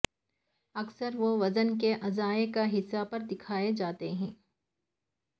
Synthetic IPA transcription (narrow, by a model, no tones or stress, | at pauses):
ɐɡsəɾʋoʋɐzənkeʔɐzaːekaɦɪsːapɐɾd̪ɪkʰaːed͡ʒaːt̪eɦɛ̃ː